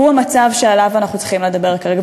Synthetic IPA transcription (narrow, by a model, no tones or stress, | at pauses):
uamat͡savʃealavanaχnut͡sχimle̞d̪abe̞ʁkaʁeɡa